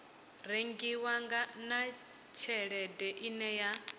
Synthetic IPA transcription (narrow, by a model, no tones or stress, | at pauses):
reŋɡiwaŋɡana | t͡ʃʰɛɺɛdɛʔinɛja